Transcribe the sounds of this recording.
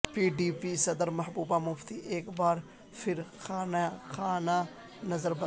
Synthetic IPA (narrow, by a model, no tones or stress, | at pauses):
piːɖiːpisɐd̪əɾmɐɦbuːbaːmʊft̪iʔeːkbaːɾ | fʰɪɾxaːnaxaːna | nɐzəɾbɐ